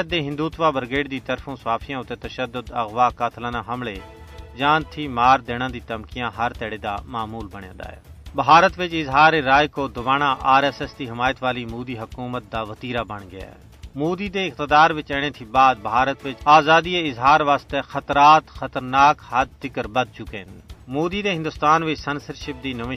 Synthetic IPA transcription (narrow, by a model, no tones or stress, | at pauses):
t̪̚d̪eːɦɪ̃nd̪uːt̪ʋaːbəɾɡeːɖd̪it̪əɾfʰõːsaːfʰɪjãːʊt̪eːt̪ɐʃəd̪ːʊd̪ɐɣʋaːkaːt̪ʰlãːnãːɦɐmleː | d͡ʒãːnt̪ʰiːmaːɾd̪eːɽ̃ãːd̪it̪ɐmkijãːɦɐɾt̪ɛːɽeːd̪a̰ːmaːmuːlbəɽ̃ḛ̃ːd̪a̰ːɦɛ̰ːbɦaːɾət̪ʋɪt͡ʃɪzɦaːɾeɾaːjkoːd̪ʊbaːnãʔaːɾɛːsɛsd̪iːɦɪmaːjət̪ʋaːlimuːd̪iɦɐkuːmət̪̚d̪aːʋət̪iːɾaːbəɳ̃ɡɪja̰ː | muːd̪id̪eːɪk̚t̪əd̪aːɾʋɪt͡ʃɛːɽ̃ẽːt̪ʰibaːd̪̚bʱaːɾət̪ʋɪt͡ʃaːzaːd̪ieɪzɦaːɾʋaːst̪ɛxət̪ɾaːt̪xət̪əɾnaːkhɐd̪̚d̪ɪkəɾbəd̪̚t͡ʃʊkeɦɪnmoːd̪iːd̪eɦɪ̃nd̪ʊst̪aːnʋɪt͡ʃsənsəɾʃɪp̚d̪iːnəʋɪ